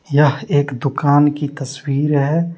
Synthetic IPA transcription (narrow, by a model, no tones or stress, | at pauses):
jɐɦeːkd̪ʊkaːnkit̪ɐswiːɾɦɛ